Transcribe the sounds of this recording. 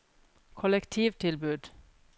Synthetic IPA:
kʰɔlɛkt̪ʰiːʋt̪ʰɪlbʉd̪̥

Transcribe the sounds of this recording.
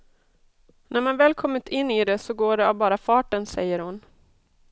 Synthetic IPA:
næɾmanvɛːlkʰɔmːɪt̪ɪnːiːd̪ɛsɔɡoːɖɛavbɑːɾafɑːʈənsɛ̰jːəɾhʊn

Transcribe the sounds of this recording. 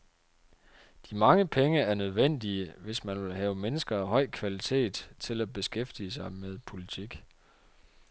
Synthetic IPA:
d̥imɑ̈ŋəpʰeŋəæɐnøð̞ˠʋen̰d̥iəʋe̝smænʋe̝lɦɛːʊmenəsɡ̥ɐɦɒ̽ɪ̰kʰʋælit͡sʰe̝̰ːd̥t͡sʰe̝læb̥e̝sɡ̥efd̥iəs̬ɑ̈ɪmeð̞ˠpʰo̝lit͡sʰiɡ̥

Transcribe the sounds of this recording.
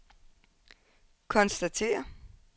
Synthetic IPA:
kʰɒ̽nsd̥æt͡sʰe̝̰ːɐ

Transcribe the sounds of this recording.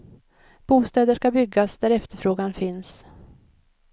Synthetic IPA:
b̥uːst̪ɛːd̪əʂkabʏɡːasd̪æɾɛft̪əɾfɾoːɡanfɪns

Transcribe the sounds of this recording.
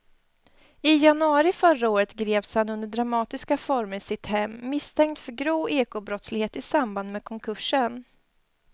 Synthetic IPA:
ɪjanɵɑːɾɪfœɾaoːɾət̪ɡɾeːpshanɵnd̪əɖɾamɑːt̪ɪskafɔɾməɾsɪt̪hɛmːɪst̪ʰɛŋk̚t̪fœɾɡɾoːeːkʊbɾɔt̪slɪɡheːt̪ɪsamband̪meːkʰɔŋkʰɵʂən

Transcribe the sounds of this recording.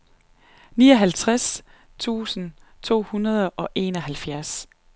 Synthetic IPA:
niːɒ̽ɦælt͡sʰʁas | t͡sʰṵːsn̩ | t͡sʰo̝̰ːhunɐð̞ˠʔɒ̽ʔe̝̰nɒ̽ɦælfjæɐs

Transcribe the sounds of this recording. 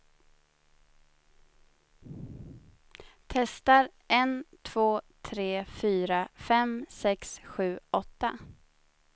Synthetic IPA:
t̪ʰɛst̪aɾʔɛnt̪ʰv̥oːt̪ʰɾeːfyːɾafɛmsɛksɧʉ̟ːɔt̪ːa

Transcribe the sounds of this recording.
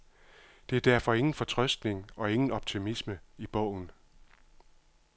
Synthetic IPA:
d̥e̝æɐd̥æɐ̰fɒ̽e̝ŋn̩fɒ̽t͡sʰʁœsd̥ne̝ŋɒ̽e̝ŋn̩ɒ̽b̥̚t͡sʰimisməib̥ɔʊ̰n̩

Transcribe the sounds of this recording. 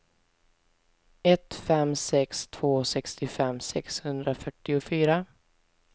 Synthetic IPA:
ɛt̪fɛmsɛkst̪ʰv̥oːsɛkst̪ɪfɛmsɛkshɵnd̪ɾafœʈːɪʊfyːɾa

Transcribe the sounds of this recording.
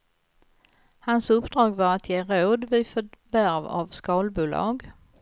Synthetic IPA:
hansɵpd̪ɾɑːɡvaɾat̪ʰjeːɾoːd̪vɪfœvæɾva̰vskɑːlbuːlɑ̰ːɡ

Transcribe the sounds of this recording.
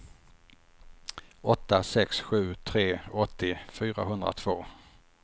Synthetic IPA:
ɔt̪ːasɛksɧʉ̟ːt̪ʰɾeːɔt̪ːɪfyːɾa̰ɦɵnd̪ɾa̰t̪ʰv̥oː

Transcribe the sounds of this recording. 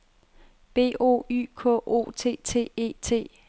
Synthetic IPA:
b̥e̝̰ːʔo̝̰ːy̰ːkʰɔ̰ʔo̝̰t͡sʰe̝̰ːt͡sʰe̝̰ːe̝̰ːt͡sʰe̝̰ː

